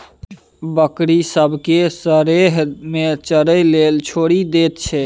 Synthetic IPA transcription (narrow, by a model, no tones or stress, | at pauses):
bəkɾisəbʱkesəɾeɦmet͡ʃəɾəjlelt͡ʃʰoɽid̪et̪t͡ʃʰɛ